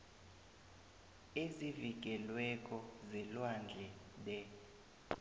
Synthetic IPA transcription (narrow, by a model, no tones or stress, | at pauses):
eziviɡ̬ʱɛlwɛkʼɔzilwand͡ɮʱɛlɛ